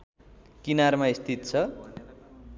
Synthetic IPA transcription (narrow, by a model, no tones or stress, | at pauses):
kinarmaist̪ʰit̪t͡sʰʌ